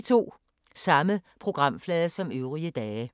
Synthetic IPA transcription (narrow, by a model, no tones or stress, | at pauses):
t͡sʰo̝̰ː | sɑ̈məpʰʁo̝ɡ̥ʁɑ̈m̰flɛðˠɐsɒ̽møʊʁiəd̥ɛː